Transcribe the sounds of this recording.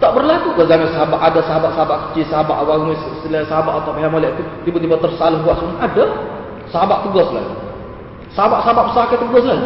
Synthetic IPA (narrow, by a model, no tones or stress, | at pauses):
t̪aʔbərlakuɡɔzamasəɦabaʔadasəɦabaʔsəɦabaʔkə̥t͡ʃisəɦaba̰ʔwamussilasəɦabaʔat̪apaɦamolɛʔt̪ut̪ibut̪̬ibat̪ərsalʊhbuaʔsunada | səɦabaʔt̪əɡɔsla̰ | saɦabaʔsaɦabaʔbəsaket̪uɡɔsla